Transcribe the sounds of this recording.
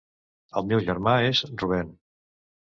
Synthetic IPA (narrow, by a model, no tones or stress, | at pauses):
əlˠmɛwʒəɾmaezruβɛn